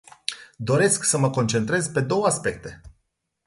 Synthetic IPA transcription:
d̪o̞ɾe̞sksəməko̞nt͡ʃe̞nt̪ɾe̞zpe̞d̪o̞wəaspe̞k̚t̪e̞

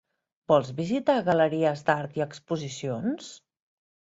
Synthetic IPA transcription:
bɔlˠzβizit̪aɣələɾiəzd̪aɾt̪iəkspuzisions

